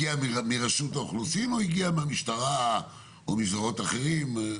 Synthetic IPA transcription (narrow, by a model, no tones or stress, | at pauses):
iammiʁaʃutaoχlusimoiɡiameamiʃt̪aʁa | o̰mizoʁo̞t̪aχeʁim